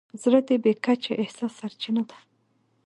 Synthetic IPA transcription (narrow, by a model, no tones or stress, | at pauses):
zɾəd̪ebekat͡ʃaʔɪhsɑsːaɾt͡ʃinad̪ḁ